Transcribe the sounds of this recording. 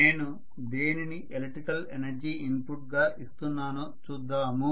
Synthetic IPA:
ne̞ːnu | d̪eːniniʔʔeleʈɾikɐlenɐɾd͡ʒiːimpuʈ̚ɡaːʔist̪unːaːnu | t͡ʃuːd̪ːaːmu

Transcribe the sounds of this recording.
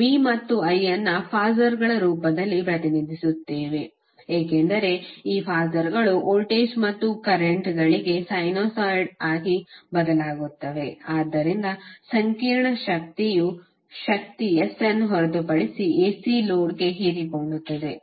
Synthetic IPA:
ʋiːmɐt̪ːuɐjɐnːɐpʰaːzɐɾɡɐɭɐɾuːpɐd̪ɐlːipɾɐt̪inid̪ʱisut̪ːeːʋe̞ | eːkend̪ɐɾe̞iːpʰaːzɐɾɡɐɭuʔoːlʈeːsmɐt̪ːukɐɾeɳʈɡɐɭiɡe̞sɐjnoːsajɖaːɡibɐd̪ɐlaːɡut̪ːɐʋe̞aːd̪ːɐɾind̪ɐsɐŋkiːɾɳɐʃɐk̚t̪iju | ʃɐk̚t̪iesenɦɔɾɐd̪upɐɽisieːsiloːɽɡe̞ɦiɾipoːɳɖut̪ːɐd̪e̞

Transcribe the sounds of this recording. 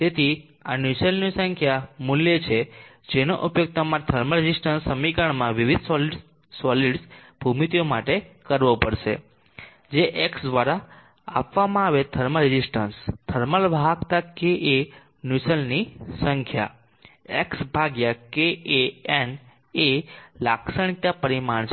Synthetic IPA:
t̪et̪ʰi | anjusəlnisəŋkʰjamuljet͡ʃʰe | d͡ʒeno̰ʔupjoɡ̚t̪ʰamãt̪ʰəɾməɾɪd͡ʒisʈənsːəmikəɳmãʋiʋid̪̚ʱsɔl | sɔliɖsb̥ʱumit̪ijomaʈekəɾʋopəɾʃḛ | d͡ʒeʔeksd̪ʋaɾa | a̰pʋamãaʋet̪ʰəɾməɾɪd͡ʒisʈənst̪ʰəɾməlbʱakt̪akeʔe | nusəlnisəŋkʰja̰ | eksbʱaɡjakeeen | elaksəɽ̃it̪ːapəɾimaɳt͡ʃʰ

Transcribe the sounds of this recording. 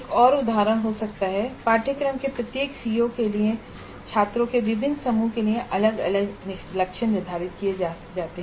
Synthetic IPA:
eːkɔːɾʊd̪ʱaːɾəɽ̃ɦosɐkt̪aɦɛpaːɾʈʰəkɾəmkepɾɐt̪jeːksiːokeliẽ | t͡ʃʰaːt̪ɾõkeʋɪbʱɪnsɐmukeliẽʔɐləɡɐləɡnɪlɐkʃənnːɪɾd̪ʱaːɾɪt̪kie | d͡ʒaːt̪eɦɛ̃

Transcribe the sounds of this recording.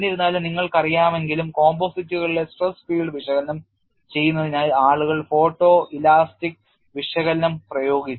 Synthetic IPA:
niɾunːaːlniŋːɐɭkɐrijaːme̞nɡilumko̞ːmboːsitːuɣɐɭilesʈrɐsfiːɖɨʋiʂɐɣɐlnːɐm | t͡ɕe̞jːunːɐðinaːlaːɭuɣɐɭfo̞ːʈːoːʔilaːstik̚ | ʋiʂɐɣɐlnːɐmprɐjo̞ːɡit͡ɕː

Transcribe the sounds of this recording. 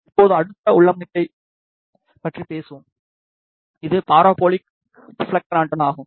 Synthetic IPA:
ɪpːoːðɯ̃ɐɽɯt̪ːɐʊɭːɐmːɪʈːɐɪ | pɐʈripeːsɯʋɯ̃m | ɪðɯpaːɾoːboːɭɪk | flɐk̚ʈɾaːɳʈɐnaːɣɯ̃m

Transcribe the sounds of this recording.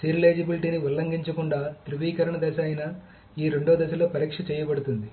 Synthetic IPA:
siɾleːd͡ʒɐbiliʈiːniʋulːɐŋɡiɲt͡ʃɐkuɳɖaːt̪ɾuʋiːkɐɾɐɳɐd̪ɐsɐːjinɐ | iːɾeɳɖoːd̪ɐsɐlo̞ːpɐɾiːkʂɐt͡ʃɛːjɐbɐɽut̪und̪i

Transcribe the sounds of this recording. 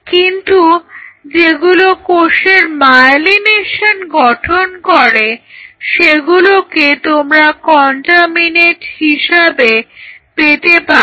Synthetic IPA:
kint̪ud͡ʑeɡulokoʃeɾmalineʃanɡɔʈʰonkoɾeʃeɡuloket̪omɾakɔɳʈamineʈhiʃabepet̪epa

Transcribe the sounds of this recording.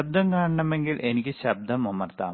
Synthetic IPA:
ɐb̚d̪ɐmkaːɳɐɳɐme̞ŋɡilʔe̞nikʲːɨɕɐb̚d̪ʱɐmɐmɐrt̪a̰ːm

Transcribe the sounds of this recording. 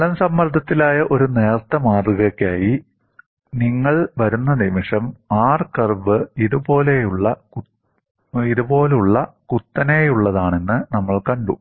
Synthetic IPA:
ɐlɐmsɐmːɐrd̪ʱɐt̪ːilaːjɐʔo̞ɾune̞ːrt̪ːɐmaːruɣɐkʲːaːji | niŋːɐɭʋɐɾunːɐnimiʂɐmaːrkɐrbɨiðubo̞ːle̞juɭːɐ | iðubo̞ːluɭːɐkut̪ːɐne̞juɭːɐðaːɳe̞nːɨnɐmːɐɭkɐɳɖṵ

